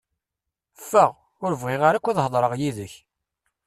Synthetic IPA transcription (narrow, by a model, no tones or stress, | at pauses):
fːəʁ | ʊɾəvʁɪʁaɾakʷːiðhəðˤɾəʁjiðəç